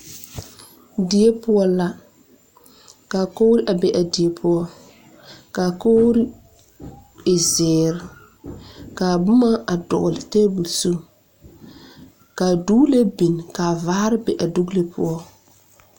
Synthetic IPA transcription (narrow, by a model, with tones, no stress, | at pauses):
dɪ˨e˦pʊ˦ɔ˦la˦ | ka˨ko˦ɾɪ˦ʔa˨bɛ˨ʔa˨di˨e˨pʰʊ˦ɔ˦ | ka˨ko˦ɾɪ˦ | ɪ˨zɛː˨ɾɪ˨ | ka˨bʊ˦ma˦ʔa˨dɔ̰˨lɪ˨tɛː˦bu˨su˦ | ka˨du˦le˦bi˨nka˨vaː˦ɾɪ˦bɛ˨ʔa˨du˦kle˦pʰʊ̰˦ɔ˦